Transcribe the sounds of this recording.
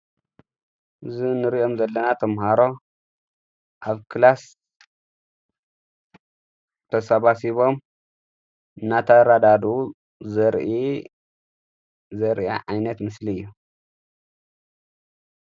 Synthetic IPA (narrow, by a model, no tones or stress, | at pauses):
ʔɨzinɨɾiʔo̞mzɐlːɐnat̪ʰɐmhaɾo̞ | ʔaβkʰɨlas | t̪ʰɐsɐβasiβo̞m | ɨnːat̪ʰaɾad̪ad̪u | zɐɾi | zɐɾa̰ʕajnɐt̪mɨsliɨjːu